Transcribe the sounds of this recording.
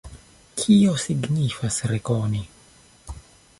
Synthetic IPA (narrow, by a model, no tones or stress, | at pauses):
kʰio̞siɡnifasɾekoni